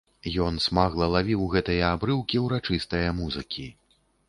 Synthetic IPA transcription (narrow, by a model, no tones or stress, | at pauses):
jɔnsmaɣlˠɐlˠavʲiwɣɛt̪ɐjɐabɾɨwkʲiwɾat͡ʂɨst̪ɐjɐmuzɨkʲi